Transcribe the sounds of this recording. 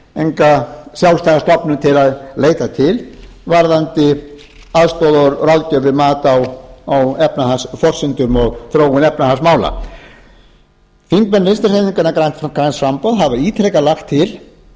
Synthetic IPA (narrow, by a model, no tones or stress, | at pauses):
ejŋkasjawlst̪ajɣast̪ɔpnʏmt̪ʰɪlaðleːjt̪at̪ʰɪlvaɾðant̪ɪ | aðst̪ɔwðaɾraðcœvɪmaːt̪awawɛpnahasfɔr̥sɪnt̪ʏmɔɣθɾoːwʏnɛpnahasmaːwla̰ | fiŋkmɛnɾenst̪ɪrseniŋkʏnakɾajnt̪kɾajnfampowðɦavaiːt̪ʰɾɛkalaxt̪ʰːɪl